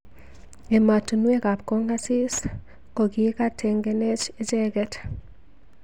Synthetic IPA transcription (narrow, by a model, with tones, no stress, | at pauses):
e˨ma˨tu˨nwe˦ka˨pko˦ŋɡa˦si˦s | ko˨ɡika˦tʰɛ˨ŋɡɛnɛ˦t͡ʃe˦d͡ʒɛɡɛt